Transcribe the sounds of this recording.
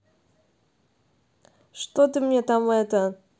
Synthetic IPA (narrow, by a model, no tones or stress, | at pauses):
ʂt̪ot̪ɨmɲʲɛt̪amɛt̪ə